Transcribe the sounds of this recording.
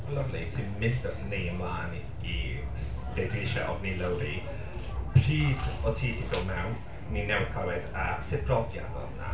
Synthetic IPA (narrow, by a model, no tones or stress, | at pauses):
ləvlisɪnmɪndɔnejəmlaːn | i | b̥ediʃɛ̰ʔɔ̰vniləwɾi | pʰr̥iːdɔtʰiːdʰibɪwmɛwn | ninɛwɪðkʰawɛdasɪpʰrɔvja̰dɔ̰ðna̰